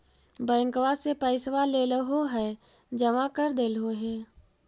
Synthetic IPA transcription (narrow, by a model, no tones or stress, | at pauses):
bə̃ːŋkʋasepəɪsʋaleːləɦoɦɛː | d͡ʒəmakəɾd̪eːlɦoɦɛː